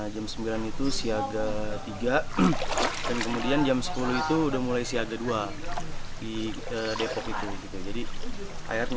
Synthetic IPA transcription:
d͡ʒamsəmbilanit̪usiaɡat̪iɡa | dankəmudiand͡ʒamsə̥puluit̪uːdahmulajsiaɡadua | piədepɔkit̪uɡit̪uad͡ʒadiʔa̰jarɲ

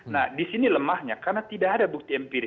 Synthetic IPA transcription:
nahdisiniləmahɲakarnat̪idaːdabuk̚t̪iɛmpiɾ

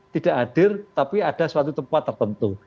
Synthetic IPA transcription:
t̪id̥aʔaɖ̥ɪrt̪apiad̥aswat̪ut̪əmpat̪ːərt̪ənt̪u

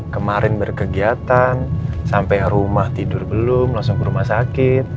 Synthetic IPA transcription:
kəmaɾʔɪnbərkəɡiat̪ansampajɾumaht̪idʊrbəlʊmlaŋsʊŋkəɾumahsakɪt̪̚

